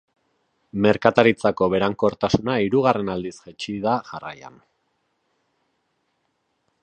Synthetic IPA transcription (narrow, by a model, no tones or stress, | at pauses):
me̞ɾkat̪aɾit͡sako̞βe̞ɾaŋko̞ɾt̪asunaiɾuɣare̞nald̪isʝet͡ʃiðaɣara̰ja̰n